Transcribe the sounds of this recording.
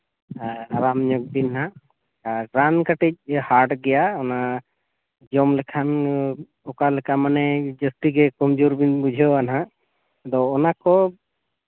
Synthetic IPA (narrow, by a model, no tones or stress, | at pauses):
aɾamɲɔk̚binɦa | ɾankaʈɛc̚haɾɖɡɛjaɔna | d͡ʒɔmlɛkʰan | ɔkalɛkamanɛd͡ʒəsʈiɡɛkɔmd͡ʒuɾbinbud͡ʒʱɔanɦã | d̪ɔːnakɔ